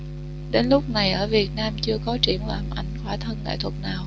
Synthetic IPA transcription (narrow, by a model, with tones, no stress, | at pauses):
ɗe˨˦nlʊ˦˥k͡p̚na˨˩jʔəː˧˩vi˨˩ət̚naː˧mt͡ɕɨ˧əkɔ˨˦t͡ɕḭ˧˩ənlaː˨˩mʔa˧˩jŋ̟xwaː˧˩t̪ʰə˧nka̰ː˧˩jt̪ʰwə˨˩t̚naː˨˩w